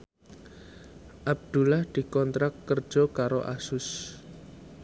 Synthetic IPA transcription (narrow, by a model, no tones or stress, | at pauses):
ʔab̚d̪̥ṳlahd̪̥i̤kɔnt̪ɾakːər̥ʒ̥ɔ̤kaɾoʔa̰sʊs